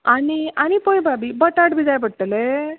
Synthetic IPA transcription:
aniañipojbabibəʈaɽbid͡z̪ajbəɽʈːəle

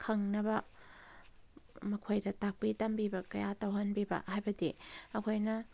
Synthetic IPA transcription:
kʰɐŋnɐbɐ | mɐkʰojdɐtak̚pitɐmbibɐkɐjatɐwɦɐnbibɐ̰hajbɐdiɐkʰojnɐ

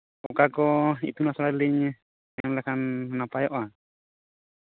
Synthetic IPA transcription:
ɔkakɔḭt̪unasɔlaɾliɲ | amlakʰanːapajɔʔa

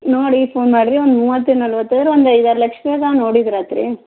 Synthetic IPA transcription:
noːɽifoːnmaːɽɾiɔnd̪muːʋɐt̪ːɯnɐlʋɐt̪ːɐðɪɾɔnd̪ɐɐɪðaːɾlɐkʂmeːt̪ãːnoːɽid̪ɪɾaːt̪ɾḭ

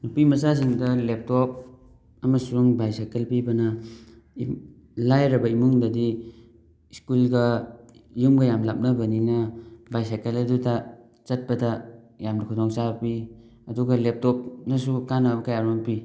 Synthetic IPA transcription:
nupimɐsas̬iŋdalep̚tɔp̚ | amasuɾuŋbajsakelpibɐna | lajɾabɐimuŋdadi | skulɡa | jumɡajamlap̚nabaninabajsakeladuta | t͡ʃɐt̚bɐda | jamnakʰɔdɔŋsapi | ɐduɡalep̚tɔp̚nasukanabɐkajaɾɔnpi

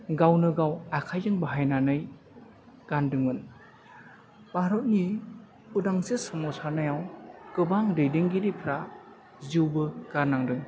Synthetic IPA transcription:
ɡawnɯɡawakʰajdɯŋbaɦajnanɯj | ɡ̥andɯŋɯn | b̥aɾɔt̚ni | udaŋsesamɔsaɾnajawkɯbaŋdɯjdeŋɡiɾipʰɾa | ziwbɯɡ̥aɾnaŋdɯŋ

